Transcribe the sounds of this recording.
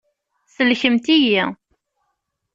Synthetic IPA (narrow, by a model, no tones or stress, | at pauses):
səlçəmt̪iji